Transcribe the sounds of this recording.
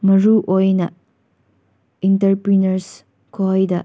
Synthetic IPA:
mɐɾuʔojnɐ | intɐɾpɾinɐɾs | kʰojdɐ

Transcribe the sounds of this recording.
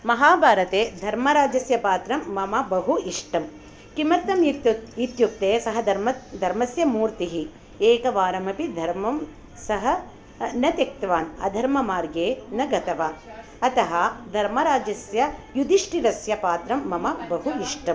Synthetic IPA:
mɐɦaːbʱaːɾɐt̪eːd̪ʱɐɾmɐɾaːd͡ʒɐsjɐpaːt̪ɾɐmːɐmɐbɐɦuiʂʈɐm | kimɐɾt̪ɐmjikt̪it̪juk̚t̪eːsɐɦɐɐmɐd̪ʱɐɾmɐsjɐmuːɾt̪iɦi | eːkɐʋaːɾɐmɐpid̪ʱɐɾmɐm | sɐɦɐ̆ | nɐt̪ek̚t̪ʋaːnɐ̰d̪ʱɐɾmɐmaːɾɡeːnɐɡɐt̪ɐʋaː | ɐt̪ɐɦɐd̪ʱɐɾmɐɾaːd͡ʒɐsjɐjud̪iʂʈiɾɐsjɐpaːt̪ɾɐmːɐmɐbɐɦuiʂʈɐm

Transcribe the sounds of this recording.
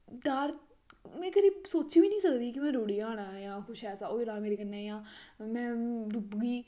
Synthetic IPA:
ɖaːɾ | mɛ̃ːkəɾiːsoːt͡ʃiːʋiːnĩːsəkd̪iːkɪmɛ̃ːɾoːɽiːaːɽ̃aːjãːkʰʊʃɛːsaːoːilaːmeːɾeːkənːeːjãːmɛ̃ːɾubɡiː

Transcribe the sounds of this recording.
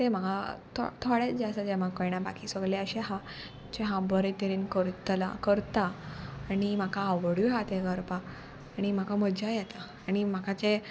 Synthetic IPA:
t̪em̤əɡat̪ʰɔ̰t̪ʰɔɽjet͡sd͡ʑeəsad͡ʑɛʋakəjɽ̃jãba̰kʰiːsəɡleəɕɛɦa | t͡ɕɛɦãbəɾet̪əɾiːnkəɾt̪la̰kəɾt̪aːɽ̃im̤akʰaəʋəɽuɦat̪eɡəɾpaː | ɽ̃im̤akaməd͡ʑajɛt̪a | aɽ̃im̤akat͡se

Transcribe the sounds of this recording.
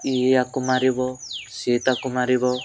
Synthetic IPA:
iɦakumaɾiβɔset̪akumaɾiβɔ

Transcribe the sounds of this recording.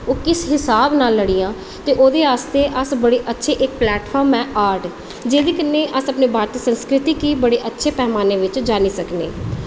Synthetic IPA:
oːkɪsɦɪsaːbnaːlːəɽijãː | t̪eːʔoːd̪eːaːst̪eːʔəsbəɽeːʔətːʃʰeːʔɪkplɛːʈfʰɔːɾmɛːʔaːɾʈ | d͡ʒeːd̪eːkənːeːʔəsəpneːbʱaːɾt̪isə̃nskɾɪt̪iːkiːbəɽeːʔətːʃʰeːpɛːmaːneːʋɪt͡ʃd͡ʒaːniːsəknḛː

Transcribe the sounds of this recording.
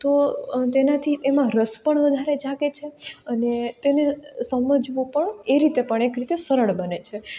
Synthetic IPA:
t̪ot̪enat̪ʰitemãɾəspəɳʋəd̪ʱaɾed͡ʒaket͡ʃʰeənet̪enesəməd͡ʒʋũpəɳeɾit̪epəɳ̃ekɾit̪esəɾəɭbənet͡ʃʰe

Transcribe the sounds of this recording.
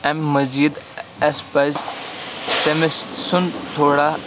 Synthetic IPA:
ɐ̃mmɐziːd̪ɐspɐz | t̪ɐmɪssʊnt̪ʰoːɽa

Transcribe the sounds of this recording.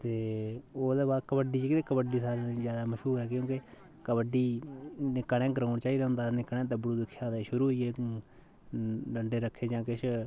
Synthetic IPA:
t̪eːoːd̪eːbaːd̪kəbəɖiːd͡ʒkɪt̪eːkəbəɖiːsaːɾezjaːd̪aːməʃɦuːɾɛːkjõːke | kəbəɖiːnɪkːəɽẽːɡəɾoːnt͡ʃaːiːd̪ɦʊ̃nd̪aːnɪkːɽẽːt̪əbəɽuːd̪ɪkʰːjaːd̪eʃʊɾuːɦoiːeː | ləɳɖeːɾəkʰːeːd͡ʒãːkɪʃʰ

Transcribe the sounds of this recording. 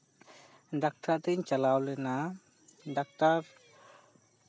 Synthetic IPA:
ɖak̚tad̪iɲt͡ʃalawlɛna | ɖak̚taɾ

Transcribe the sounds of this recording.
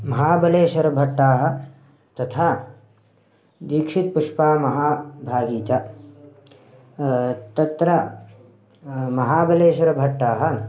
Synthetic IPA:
mɐɦaːbɐleːʃɐɾɐbʱɐʈːaːɦɐ̆ | t̪ɐt̪ʰaː | d̪iːkʂit̪̚puʂpaːmɐɦaːbʱaːɡiːt͡ʃa | t̪ɐt̪ɾɐ | mɐɦaːbɐleːʃɐɾɐbʱɐʈːaːɦɐ̆

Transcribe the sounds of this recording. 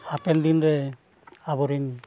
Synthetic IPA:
apɛnd̪inɾɛ | abɔɾin

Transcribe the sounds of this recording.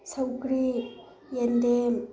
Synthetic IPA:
sɐwkɾi | jendem

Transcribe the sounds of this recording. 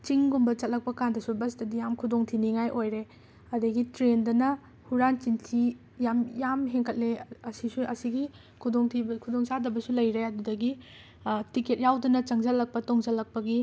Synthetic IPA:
t͡ʃiŋɡumbɐt͡ʃɐt̚lɐk̚pɐkandɐsubɐsdɐdijamkʰudoŋtʰiniŋajʔojɾe | ɐdɐɡitɾendɐnɐ | huɾant͡ʃintʰi | jamjamɦeŋkʰɐt̚leɐsisuɐsiɡi | kʰudoŋtʰibkʰudoŋsadɐbɐsulɐjɾeɐdudɐɡi | tiket̚jawdɐnɐt͡ʃɐŋzɐlɐk̚pɐtoŋzɐlɐk̚pɐɡi

